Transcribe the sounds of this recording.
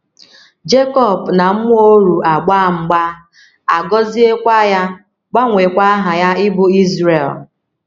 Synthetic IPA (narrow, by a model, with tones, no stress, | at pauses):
d͡ʒe˦kɔ˦˨bna˨m̩˦m˦o˦ɾu˨a˨ɡ͡ba˦˨ŋ͡m̩˦ɡ͡ba˦ | a˨ɡɔ˦zi˦e˦kʷa˦ja˦ | ɡ͡ba˦ŋʷe˨kʷa˦ɦa˨ja˦ɪ˦bʊ˦i˦zɾe˨l